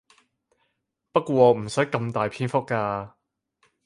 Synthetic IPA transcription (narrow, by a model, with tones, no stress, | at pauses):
pɐ˥t̚kʷɔː˧ɔː˨˧m̩˨˩sœː˨˥jkɐ˧mt̪aː˨jpʰiː˥nfʊ˥k̚ːaː˧